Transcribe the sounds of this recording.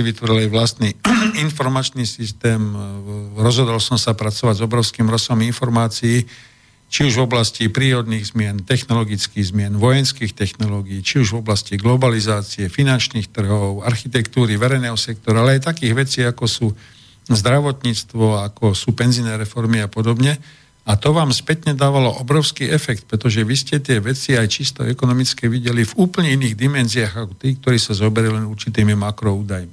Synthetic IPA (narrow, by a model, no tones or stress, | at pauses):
iʋit̪ʋɔɾilajʋlast̪niinfɔɾmat͡ʃnisist̪ɛːm | ɾɔzɦɔd̪ɔlsɔmsapɾat͡sɔʋaɟzɔbɾɔʊskimɾɔsɔminfɔɾmaːt͡siː | t͡ʃiuʒvɔblascipɾiːɾɔd̪niːɣzmɪɛnt̪ɛxnɔlɔɡit͡skiːɣzmɪɛnʋɔjɛnskiːxt̪ɛxnɔlɔːɡiːt͡ʃiuʒvɔblasciɡlɔbalizaːt͡siɛfinant͡ʃniːxt̪r̩ɦɔʊaɾxit̪ɛkt̪uːɾiʋɛɾɛjnɛːɦɔsɛk̚t̪ɔɾaalɛajt̪akiːɣʋɛt͡siːakɔsuː | zd̪ɾaʋɔt̪ɲiːt͡st̪ʋɔakɔsuːpɛnzinɛːɾɛfɔɾmiapɔd̪ɔbɲɛ | at̪ɔʋaːmspɛt̪ɲɛd̪aːʋalɔʔɔbɾɔʊskiːɛfɛk̚t̪̚pɾɛt̪ɔʒɛʋiscɛt̪ɪɛʋɛt͡siajt͡ʃist̪ɔ̰ɛkɔnɔmit͡skɛʋiɟɛlivuːpl̩ɲɛiniːɣd̪imɛnziaɣakɔ̥t̪iːk̚t̪ɔɾiːsazɔbɛɾɛlɛnuɾt͡ʃit̪iːmimakɾɔuːd̪ajmi